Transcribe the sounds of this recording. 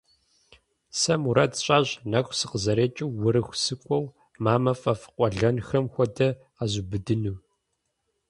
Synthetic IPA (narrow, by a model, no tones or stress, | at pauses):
sɐmuɾɐtɕʼaʑnɐxʷsɨqəzɐɾeːt͡ʃʼɪwːʊɾɨxʷsɨkʷʼɔw | maːmɐfɐfɨ̥qʷʼɔɮɐnxɐmxʷɔdɐ | azubɨdɨnuː